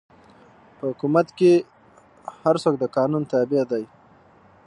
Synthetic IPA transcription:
pəɦʊkumat̪ke | haɾsok̚d̪əkɑnunt̪abɪad̪aj

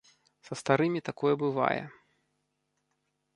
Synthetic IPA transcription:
sɐst̪aɾɨmʲit̪akɔjɛbɨva̰jɛ̰

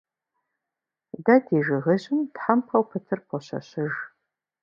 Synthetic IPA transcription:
dɐdeːʒɨʁɐʑɪmtħampʰɐwpʰɨtʰɨrpʰɔɕɐ̰ɕɪʒ

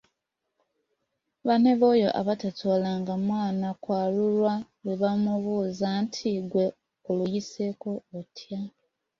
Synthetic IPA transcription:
βane̞βo̞jo̞̰ʔa̰βatatʰolaŋɡamwaːnakwaːlulwaweβamuβuːzantʰiɡwe̞ | olujise̞ko̞otʰja

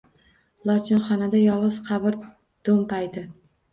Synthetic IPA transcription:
lˠɒt͡ʃʰɪnχɒnad̪ajɒlˠɨzqʰɑbɪɾ | d̪̥ompajd̪ɪ

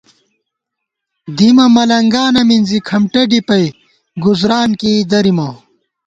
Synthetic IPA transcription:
d̪imɐmɐlɐŋɡaːnɐminzikʰɐmʈɐɖipɐj | ɡuzɾaːnkiːd̪ɐɾimɐ

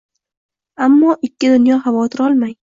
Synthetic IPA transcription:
amːɒːʔɪkʲʰːɪd̪ʊnjɒχavɒt̪ʰɪɾɒlˠmaj

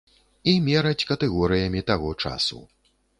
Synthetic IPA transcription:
imʲɛɾɐt͡sʲkɐt̪ɛɣɔɾɨjɐmʲit̪aɣɔt͡ʂa̰sṵ

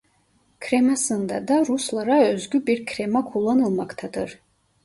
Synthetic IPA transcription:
kʰɾemasɯnd̪ad̪aɾuslˠaɾaøzɡʲybiɾkʰɾemakʰulˠːanɯlˠmakt̪ʰad̪ɯɾ

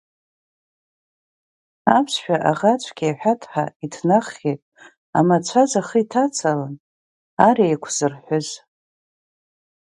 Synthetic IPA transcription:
apʰsʃᶣaʔaʁat͡ʃʷʰɡ̥ʲaħʷᶣatʰʼħaitʰnaχːejtʼ | a̰mat͡ɕʷʰazaχəitʰat͡sʰalan | aɾiejkʷʰz̥ɨrħʷʊz

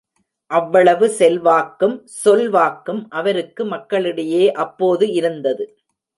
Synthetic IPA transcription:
ʔɐʋːɐɭɐʋɯsɛlʋaːkːɯm | sɔlʋaːkːɯmʔɐʋɐɾɯkːɯmɐkːɐɭɪɽɐjeːʔɐpːoːðɯɪɾɯnd̪ɐðɯ

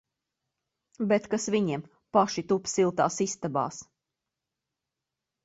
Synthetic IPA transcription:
bet̪kasviɲiɛm | paʃit̪upsilˠt̪aːsist̪abɑ̰ːs

